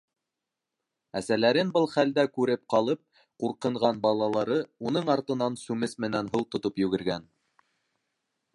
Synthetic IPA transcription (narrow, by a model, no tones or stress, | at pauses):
æsælæɾɘnbɤlˠχæld̪ækʉɾɘp̚qɑlˠɤp̚ | quɾqɤ̆ɴʁɑnbɑlˠɑlˠɑɾɤunɤɴɑɾt̪ɤ̆nɑnsʉmɘsmɘ̆nænɦɤlˠt̪ŏt̪opjɵ̆ɡɘ̆ɾɡæn